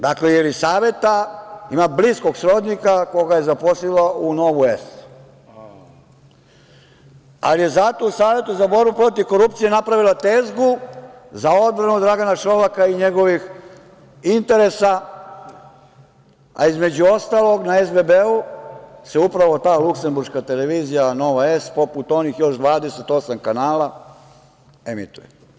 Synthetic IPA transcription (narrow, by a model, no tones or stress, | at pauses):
d̪aklejelisaːʋje̞t̪aimablisko̞ɡsɾo̞d̪nikako̞ɡaje̞zapo̞slilauno̞ʋuest̪ | a̰lije̞zat̪o̞usaːʋje̞t̪uzabo̞ɾbupɾo̞t̪iʋko̞ɾupt̪sije̞napɾaʋilat̪eːzɡuzao̞d̪̚bɾanud̪ɾaɡanaʃo̞ʋakaiɲe̞ɡo̞ʋix | int̪e̞ɾe̞sa | a̰izme̞d͡ʑuo̞st̪aːlo̞ɡnae̞zbebeuse̞upɾaʋo̞t̪aːlukse̞mbuɾʃkat̪e̞le̞ʋiːzijano̞ʋaespo̞put̪o̞niːxjo̞ʃd̪ʋaːd̪ese̞t̪o̞samkanaːla | emḭt̪uje